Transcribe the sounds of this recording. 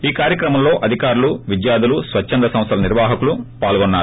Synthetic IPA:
iːkaːɾjɐkɾɐmɐmlo̞ːʔɐd̪ʱikaːɾuluʋid͡ʒjaːd̪ulusʋɐt͡ʃʃːɐnd̪ɾɐsɐ̃mst̪ʰɐlɐniɾʋaːɦɐkulupaːlɡɔnːaːɾu

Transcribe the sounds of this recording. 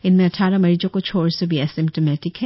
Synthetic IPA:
ɪnmẽɐʈʰaɾɐmɐɾid͡ʒõkot͡ʃʰoːɾsobʱiɐsimp̚ʈomɛtɪkhɛ

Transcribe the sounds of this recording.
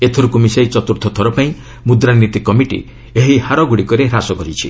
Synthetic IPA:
et̪ʰoɾukumisajt͡ʃɔt̪uɾt̪ʰɔt̪ʰɔɾɔpaĩ | mud̪ɾanit̪ikɔmiʈḭ | eɦihaɾɔɡuɽikɔɾeɾasɔkɔɾit͡ʃʰḭ

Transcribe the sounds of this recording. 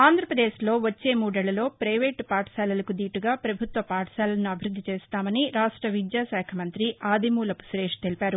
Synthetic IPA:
aːnd̪ʱɾɐpɾɐd̪e̞ːʃlo̞ːʋɐt͡ʃːe̞ːmuːɽɛɭːɐlo̞ːpɾɐjʋeːʈpaːʈɐ̥saːlɐlɐkud̪iːʈuɡaːpɾɐbʱut̪ʋɐpaːʈɐ̥saːlɐlɐnuɐbʱiɾud̪ʱːit͡ʃeːst̪aːmɐniɾaːʂʈɾɐʋid̪jaːsɛːkʰɐmɐnt̪ɾiaːd̪imuːlɐpu̥sɾe̞ːʂt̪e̞lipaːɾu

